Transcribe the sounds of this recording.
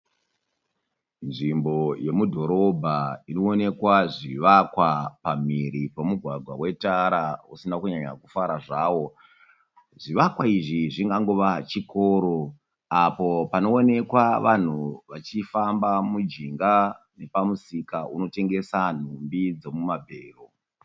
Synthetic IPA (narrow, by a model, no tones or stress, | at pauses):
nʐimbo̞je̞mudʱo̞ɾo̞bʱaino̞ːne̞kwaʐiʋakwapam̤iɾipomuɡʱwaɡʱwawe̞taɾausinakuɲaɲa̰kufaɾaʐaːwo̞ | ʐiʋakwaiʐiʐiŋɡaŋɡoʋat͡ʃiko̞ːɾo̞ | apo̞pano̞ːne̞kwaʋan̤uʋat͡ʃifambamud͡ʒiŋɡa | ne̞pamusikauno̞te̞ŋɡe̞san̤umbid͡zo̞mumabʱeːro